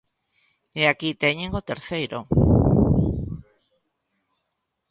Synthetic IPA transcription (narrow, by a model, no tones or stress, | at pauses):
eakit̪ɛɲẽŋot̪eɾθejɾo̰